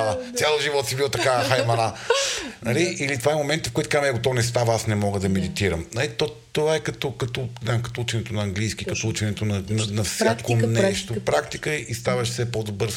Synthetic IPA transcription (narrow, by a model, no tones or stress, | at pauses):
t̪ʲjalˠʒivɔt̪sibilˠt̪ɐkaxajmɐna | nɐliʔilit̪ovaɛmomɛnt̪əfkɔjt̪kamɛɡot̪ɔnɛs̬t̪avɐasnɛmɔɡəd̪ɐmɛd̪it̪iɾəmnɐlit̪ɔ | t̪ovaɛkɐt̪ɔkɐt̪ɔnamkɐ̥t̪ɔut͡ʃɛnɛt̪onɐːŋɡlijsk̟ikɐt̪ɔut͡ʃɛnɛt̪onɐnɐnɐfsʲakkonɛʃtt̪opɾakt̪ikəist̪avəʃfsɛpod̪obɤɾ